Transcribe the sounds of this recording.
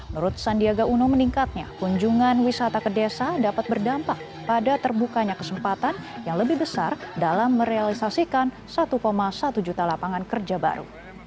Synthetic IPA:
mənuɾʊt̪̚sandiaɡaʔunuməniŋkat̪̚ɲa̰kuɲd͡ʒuŋanwisat̪akədesadapat̪̚bərdampak̚ | padat̪ərbukaɲakəsəmpat̪anjaŋləbɪhbəsardalamːəɾealisasikan | sat̪ukomasat̪ud͡ʒut̪alapaŋankərd͡ʒaba̰ɾṵ

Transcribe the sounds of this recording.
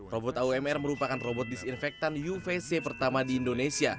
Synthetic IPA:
robɔt̪auɛmɛrməɾupakanrobɔt̪̚disinfɛk̚t̪anjufesepərt̪amadiːndonesia

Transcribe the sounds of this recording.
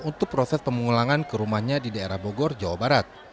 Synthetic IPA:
unt̪ʊk̚pɾɔsɛspəmuŋulaŋankəɾumahɲadidaeɾahboɡɔrd͡ʒawabaɾat̪̚

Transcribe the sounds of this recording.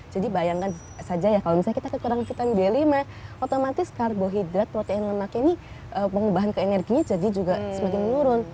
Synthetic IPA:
d͡ʒadibajaŋkan | sad͡ʒajakalomisaɲakit̪akəkuɾaŋsit̪anbelimah | ʔot̪omat̪ɪskarboɦid̪ɾat̪̚pɾot̪eɛnləmakani | ʔəpəŋubaɦankəenɛrɡiɲad͡ʒadid͡ʒuɡasəmakɪnmənuɾʊn

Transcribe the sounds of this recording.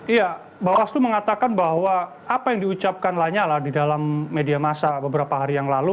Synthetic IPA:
ija | bawast̪uməŋat̪akanbahwa | apajaŋdiut͡ʃap̚kanlaɲalahdidalamːediamasabəbəɾapaɦaɾijaŋlalu

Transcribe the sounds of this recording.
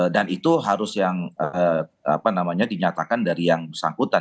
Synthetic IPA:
danit̪uɦaɾʊsjaŋəa̰panamaɲadiɲat̪akandaɾijaŋbsaŋkut̪an

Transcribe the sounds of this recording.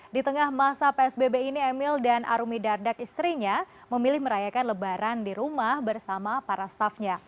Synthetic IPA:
dit̪əŋahmasapeɛsbebeiniɛmɪldanʔa̰ɾumidardakist̪ɾiɲaməmilɪhməɾajakanləbaɾandiɾumahbərsamapaɾast̪afɲa

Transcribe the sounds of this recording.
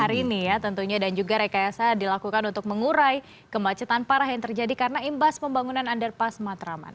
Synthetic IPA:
haɾiːnijat̪ənt̪uɲadand͡ʒuɡaɾakajasadilakukanunt̪ʊk̚məŋuɾaj | kəmat͡ʃət̪anpaɾaɦjaŋt̪ərd͡ʒadikarənaimbaspəmbaŋunanandərpasmat̪ɾama̰n

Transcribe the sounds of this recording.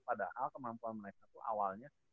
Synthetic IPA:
padahalkəmampuanməɾekat̪uʔa̰walɲa

